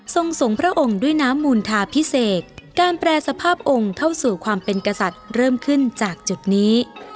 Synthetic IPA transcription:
so˧ŋso˨˩˦ŋpʰɾa˦˥ʔo˧ŋdu˥˩əjnaː˦˥mːuː˧nt̪ʰaː˧pʰi˦˥seː˨˩t̚ːaː˧npɾɛː˧sa˧pʰaː˥˩p̚ʔo˧ŋt̪ʰa˥˩wsuː˨˩kʰwaː˧mpe˧nka˧sa˨˩t̪̚ɾɤː˥˩mkʰɯ˥˩nt͡ɕaː˨˩k̚t͡ɕu˨˩t̪̚niː˦˥

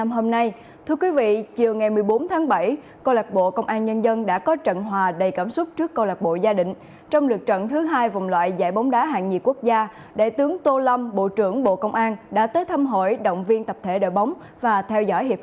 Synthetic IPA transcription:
mɦo˧mna˧j | t̪ʰɨ˧əkwi˨˦vḭ˧˨t͡ɕi˨˩əwŋa˨˩jmɨ˨˩əjɓo˨˦nt̪ʰaː˨˦ŋɓə˧˩j | kə˧wla˨˩k̚ɓo̰˧˨kə˧wŋ͡mʔaː˧nɲə˧nzə˧nɗa̰ː˧˥kɔ˨˦t͡ɕə̰˧˨nɦwaː˨˩ɗə˨˩jkaː˧˩mswʊ˦˥t̚t͡ɕɨ˦˥əkːə˧wla˨˩k̚ɓo̰˧˨zaː˧ɗï˧˨ŋ̟ | t͡ɕɔ˧wŋ͡mlɨ˨˩k̚t͡ɕə̰˧˨nt̪ʰɨ˨˦ɦaː˧jva˨˩wŋ͡mlwa̰ː˧˨jza̰ː˧˩jɓa˨˦wŋ͡mɗaː˨˦ɦa̰ː˧˨ŋɲḭ˨˩ku˦˥ək̚zaː˧ | ɗḛ˧˩t̪ɨ˨˦əŋt̪o˧lə˧mɓo̰˧˨t͡ɕɨ˧˩əŋɓo̰˧˨kə˧wŋ͡mʔaː˧nɗa̰ː˧˥t̪əː˨˦jt̪ʰa˧mɦo̰˧˩˨jɗə̰˧˨wŋ͡mvi˧ənt̪ə˨˩p̚t̪ʰe˧˩ɗo̰˧˨jɓa˨˦wŋ͡m | vaː˨˩t̪ʰɛ˧wzɔ̰˧˥˨jhi˨˩

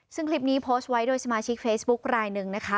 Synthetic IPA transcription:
sɯ˥˩ŋkʰli˦˥p̚niː˦˥pʰoː˦˥st̪̚wa˦˥jdoː˥˩jsa˧maː˧t͡ɕʰi˦˥k̚feː˦˥sbu˦˥k̚ɾaː˧jnɯ˨˩ŋna˦˥kʰa˦˥

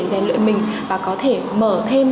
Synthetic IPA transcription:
zaː˨˩nlə̰ː˧˨jmï˨˩ŋ̟vaː˨˩kɔ˨˦t̪ʰe˧˩məː˧˩t̪ʰe˧m

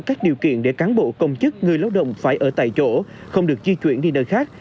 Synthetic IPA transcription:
kaː˦˥jk̚ɗi˨əwkḭ˧˨ənɗe˧˩kaː˨˦nɓo̰˧˨kə˧wŋ͡mt͡ɕɨ˦˥k̚ŋɨ˨˩əjlaː˧wɗə̰˧˨wŋ͡mfaː˧˩jʔəː˧˩t̪a̰ː˧˨jt͡ɕo˧˩xə˧wŋ͡mɗɨ˨˩ək̚zi˧t͡ɕwi˧˩ənɗi˧nəː˧jxaː˦˥k̚

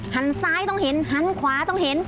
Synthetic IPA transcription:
ha˧˥˩nsaː˦˥˩jt̪ɔ˥˩ŋhe˨˦nha˧˥nkʰwaː˨˩˦t̪ɔ˥˩ŋhe˩˦n

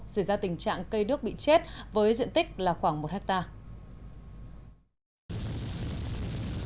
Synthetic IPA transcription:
sa˧˩jzaː˧t̪ï˨˩ŋ̟t͡ɕa̰ː˧˨ŋkə˧jɗɨ˦˥ək̚ɓḭ˧˨t͡ɕe˦˥t̚vəː˨˦jzḭ˧˨ənt̪ï˦˥k̟̚laː˨˩xwaː˧˩ŋmo˨˩t̚hɛ˦˥k̚t̪aː˧

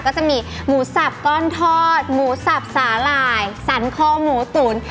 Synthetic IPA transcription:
kɔː˥˩t͡ɕa˨˩ʔmiː˧muː˨˩˦sa˨˩p̚kɔː˥˩nt̪ʰɔː˥˩t̪̚muː˩˦sa˨˩p̚saː˩˦laː˧˩jsa˨˩˦nkʰɔː˥˩muː˩˦t̪uː˩˦n

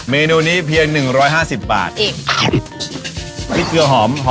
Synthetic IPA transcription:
meː˧nuː˧niː˦˥pʰi˧əŋnɯ˨˩ŋɾɔː˦˥jɦaː˥˩si˨˩pːa̰ː˨˩t̪̚ | i˦˥kɯ˧ɐɦɔː˩˦mɦɔː˦

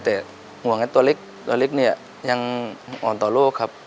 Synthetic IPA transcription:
t̪ɛː˨˩ | ŋu˨˩˦ŋa˧˩t̪u˧ɐle˦˥k̚t̪u˧ɐle˦˥k̚niː˧˩ | ja˧ŋ˧ŋʔɔː˨˩nt̪ɔː˨˩loː˥˩kʰːa˦˥p̚

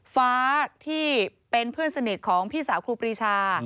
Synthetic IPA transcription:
faː˦˥t̪ʰiː˥˩pe˧npʰɯ˥˩ənsa˧ni˨˩t̪̚kʰɔː˩˦ŋpʰiː˥˩saː˩˦wkʰuː˧pɾiː˧˩t͡ɕʰaː˧

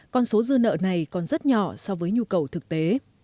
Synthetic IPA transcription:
kɔ˧nso˨˦zɨ˧ənə̰ː˧˨na˨˩jkɔ˨˩nzə˦˥t̚ɲɔ̰˧˩sɔ˧wvəː˨˦jɲu˧kə˨˩wt̪ʰɨ˨˩k̚t̪e˨˦

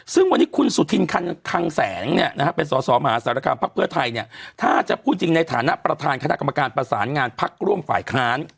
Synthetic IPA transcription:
sɯ˥˩ŋwa˧nːiː˦˥kʰu˧nsu˨˩t̪ʰːi˧nkʰa˧nkʰa˧ŋsɛː˩˦ŋnḭ˥˩ɐna˦˥kʰa˦˥pe˧nsɔː˩˦sɔː˩˦ma˧ɦaː˨˦saː˩˦ɾa˧kaː˧mpʰa˦˥k̚pʰɯ˥˩ət̪ʰa˧jni˥˩ət̪ʰaː˥˩t͡ɕa˨˩ʔpʰuː˥˩t͡ɕi˧ŋna˧jt̪ʰaː˩˦na˦˥ʔpɾa˧t̪ʰaː˧nkʰa˧na˦˥ʔka˧mːa˧kaː˧npɾa˧saː˩˦nŋaː˧npʰa˦˥k̚ɾu˥˩əmfaː˨˩jkʰaː˦˥n

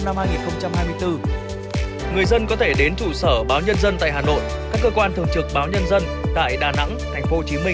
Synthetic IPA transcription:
na˧mhaː˧jŋi˨˩nxə˧wŋ͡mt͡ɕa˧mhaː˧jmɨ˧əjt̪ɨ˧ | ŋɨ˨˩əjzə˧nkɔ˨˦t̪ʰe˧˩ɗe˨˦nt͡ɕṵ˧˩səː˧˩ɓaː˨˦wɲə˧nzə˧nt̪a̰ː˧˨jɦaː˨˩no̰˧˨j | kaː˦˥kːəː˧kwaː˧nt̪ʰɨ˧əŋt͡ɕɨ˨˩k̚ɓaː˨˦wɲə˧nzə˧n | t̪a̰ː˧˨jɗaː˨˩na̰˧˥ŋt̪ʰa˨˩jŋ̟fo˨˦ht͡ɕi˨˦mï˧ŋ

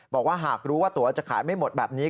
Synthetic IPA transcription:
bɔː˨˩k̚waː˥˩ɦaː˨˩k̚ɾuː˦˥waː˥˩t̪u˩˦ɐt͡ɕa˨˩kʰaː˩˦jma˥˩jmo˨˩t̪̚bɛː˨˩p̚niː˦˥

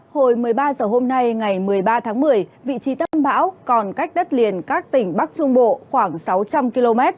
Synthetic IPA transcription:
ho˧˩jmɨ˨˩əjɓaː˧zəː˨˩ɦo˧mna˧jŋa˨˩jmɨ˨˩əjɓaː˧t̪ʰaː˨˦ŋmɨ˨˩əjvḭ˧˨t͡ɕi˨˦t̪ə˧mɓa̰ː˧˥wkɔ˨˩nka˦˥jk̟̚ɗə˦˥t̚li˨˩ənkaː˦˥k̚t̪ï˧˩ŋ̟ɓa˦˥k̚t͡ɕʊ˧ŋ͡mɓo̰˧˨xwaː˧˩ŋsa˨˦wt͡ɕa˧mki˧lo˧mɛ˦˥t̚

